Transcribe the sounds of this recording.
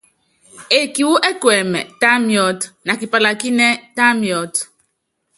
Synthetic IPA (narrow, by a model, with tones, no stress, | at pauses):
e˨ki˨wu˦ʔe˦kwɛ˨mɛ̰˨ta˦mjɔ˦tna˨ki˨pa˨la˨ki˦nɛ˦ta˦mjɔ˦t